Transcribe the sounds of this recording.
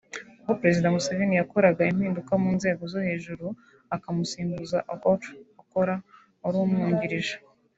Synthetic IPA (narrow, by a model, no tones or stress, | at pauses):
uhopɾe̞zidamusavinijako̞ɾaɡaim̥hiːndukamuːnze̞ːɡo̞zohe̞ːʒuɾu | akamusiːmbuzaʔakotako̞ɾa | uɾuːmŋuːɲɟiɾiʒḁ